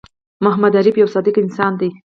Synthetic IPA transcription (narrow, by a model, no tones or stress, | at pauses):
mʊɦmad̪aɾibjawsɑd̪ɪkɪnsɑnd̪i